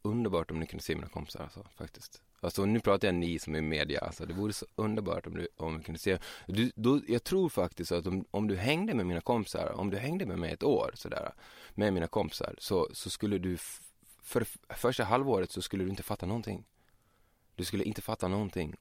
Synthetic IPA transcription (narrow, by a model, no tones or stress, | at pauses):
ɵnd̪əɾbɑːʈɔmnɪkʰɵnd̪əseːmiːna̰kʰɔmpɪ̥saɾa̰lsɔfa̰k̚t̪ɪ̥skt̪ | alsɔnʉ̟ːpʰɾɑːt̪ajanɪsɔmæɾmeːd̪ɪa̰a̰sɔd̪ɛvuːɾəsɔɵnd̪əɾbɑ̰ːʈɔmd̪ɵɔmnɪkʰɵnd̪əseːd̪ɵd̪ɔjɑːɡ̚t̪ʰɾuːɾfak̚t̪ɪskt̪at̪ɔmɔmd̪ɵɦɛŋd̪əmɛmiːnakʰɔmpɪ̥sa̰ɾɔ̰md̪ɵɦɛŋd̪əmɛmɛjɛ̰t̪oːɾsɔd̪æ̰ːɾa̰mɛmiːnakʰɔmpɪ̥sa̰ɾsɔsɔskɵlːəd̪ɵ | fœɾɛfœʂʈaɦalvoːɾət̪sɔskɵlːd̪ɵɪnt̪əfat̪ːanɔnt̪ʰɪ̰ŋː | d̪ɵskɵlːəʔɪnt̪əfat̪ːanɔnt̪ʰɪŋː